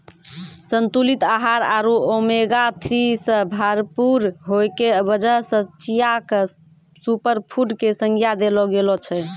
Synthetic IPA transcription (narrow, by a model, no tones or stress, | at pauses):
sənt̪ulit̪aɦaɾaɾuomeɡat̪ʰɾisə̃bʱaɾpuɾɦokebəd͡ʒəɦsə̃t͡ʃijake | supəɾpʰuʈkesəŋɡjad̪elɔɡelɔt͡ʃʰɛ